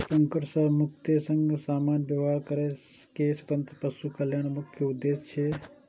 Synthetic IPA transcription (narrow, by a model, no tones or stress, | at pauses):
səŋkəʈsəmuk̚t̪esəŋɡsamanbjəʋɦaɾkəɾɛkeswət̪ənt̪ɾəpəsukəljanmukʰjəud̪ːest͡ʃʰe